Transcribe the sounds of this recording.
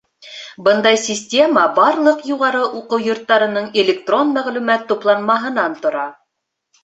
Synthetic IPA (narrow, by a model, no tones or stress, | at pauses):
bɤnd̪ɑjsʲɪsʲtʲe̞mɑbɑɾlˠɤqjuʁɑɾɤʔuqɤwjŏɾt̪ːɑɾɤ̆nɤɴelʲɪk̚t̪ro̞nmæʁlʉmæt̪ːuplˠɑnmɑɦɤ̆nɑnt̪ŏɾɑ